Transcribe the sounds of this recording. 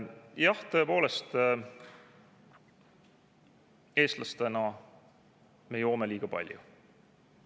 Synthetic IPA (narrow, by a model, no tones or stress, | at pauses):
jɑht̪ɤ̞e̞po̞ːle̞st̪ | e̞ːst̪lʔɑst̪enɑ | me̞jo̞ːme̞liːɡ̥ɑpɑ̰lʲjṵ